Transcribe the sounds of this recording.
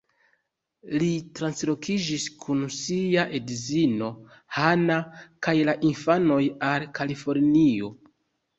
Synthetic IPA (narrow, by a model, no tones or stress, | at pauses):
litɾanslo̞kʰid͡ʒiskʰunsiaʔedzino̞ | hanakajlaʔinfano̞jalkʰalifo̞ɾnio̞